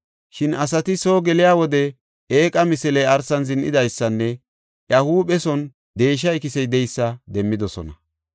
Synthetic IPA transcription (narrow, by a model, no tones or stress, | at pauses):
ʃɪnɐs̬ɐt̪ɪsoːɡɛlɪjaːwɔd̪ɛ | eːkʼɐmɪsɛlɛjɐɾsɐnzɪnʔɪ̰d̪ɐjsːɐnːɛ | ʔjɐhuːɓɛsɔn | d̪e̞ːʃ̬ɐɛkɪsɛjd̪ɛjsːɐd̪ɛmːɪd̪ɔsɔ̰nɐ